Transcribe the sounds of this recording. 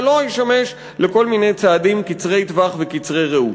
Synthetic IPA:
lo̞jeʃame̞ʃ | le̞ko̞lmine̞jt͡saːd̪imkit͡sʁe̞jt̪vaχvekit͡sʁejʁeu

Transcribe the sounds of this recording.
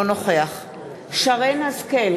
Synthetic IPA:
onoχeaχ | ʃaʁenhazkel

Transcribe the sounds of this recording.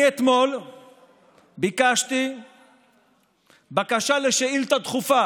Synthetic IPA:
et̪mo̞l | bikaʃt̪i | bakaʃaleʃeilt̪at̪χufa

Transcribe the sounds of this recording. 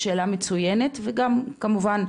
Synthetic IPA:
ʃeːlamet͡sujenetveɡamkamuvan

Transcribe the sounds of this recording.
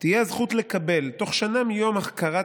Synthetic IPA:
t̪ijezχut̪le̞kabe̞lto̞χʃanamijo̞maχkaʁa

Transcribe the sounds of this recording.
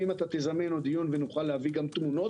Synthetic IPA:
imat̪at̪ezamenod̪ijunvenuχalːeaviɡamt̪muno̞

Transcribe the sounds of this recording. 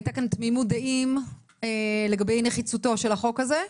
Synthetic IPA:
jtakantmimudaʔim | ele̞ɡabe̞jneχit͡suto̞ʃe̞laχo̞kaze

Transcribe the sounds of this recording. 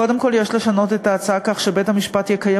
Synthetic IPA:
ko̞de̞mko̞ljeʃle̞ʃano̞t̪e̞taːt͡saakaχʃebethamiʃpatjɛkaja

